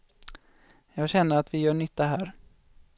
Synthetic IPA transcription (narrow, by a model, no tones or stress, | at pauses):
jɑːɡɕɛnːəɾat̪vɪjœːɳʏt̪ʰːaɦæːɾ